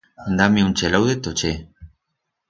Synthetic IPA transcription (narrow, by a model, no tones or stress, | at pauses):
nd̪amiunt͡ʃelawðet̪ot͡ʃe